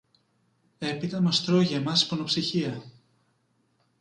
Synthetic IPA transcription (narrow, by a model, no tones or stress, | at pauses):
e̞pit̪ɐmɐst̪ɾo̞ʝemɐsi̥ponopsiçiɐ